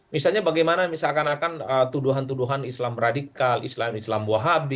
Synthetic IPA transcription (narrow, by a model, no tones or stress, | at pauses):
misalɲabaɡajmanamisalkanakanət̪uduɦant̪uduɦanislamradikalḭslamislambuaɦabi